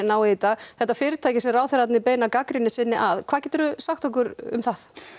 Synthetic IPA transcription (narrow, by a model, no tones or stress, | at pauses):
naːwt̪aɣθɛht̪ːafɪːɾɪt̪ʰaːjcɪsɛmraːwθɛɾat̪nɪpeːjnakakɾɪnɪsɪnːɪʔaðkʰaðcɛt̪ʏɾʏsaxt̪ʰɔk̬ʏɾʏ̰mθaθ